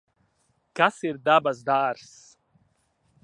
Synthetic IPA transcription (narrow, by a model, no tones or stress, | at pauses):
kasiɾd̪abaz̬d̪aːɾs